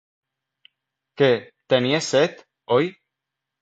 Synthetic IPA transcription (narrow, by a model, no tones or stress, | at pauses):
ke | t̪enieset̪ | oj